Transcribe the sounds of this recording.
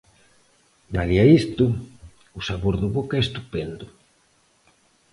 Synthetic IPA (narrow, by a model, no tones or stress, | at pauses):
naðiaist̪ʊ | ʊsaβoɾðʊβokɛest̪upend̪ʊ